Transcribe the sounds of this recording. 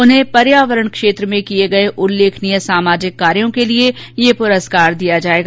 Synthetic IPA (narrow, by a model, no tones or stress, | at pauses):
ʊnɦẽpɐɾjaːʋəɾəɳ̃kʃeːt̪ɾəmẽkieɡɐeʔʊlːeːkʰnijəsaːmaːd͡ʒɪkːaːɾjõkeliejepʊɾəskaːɾd̪ijad͡ʒaːeːɡa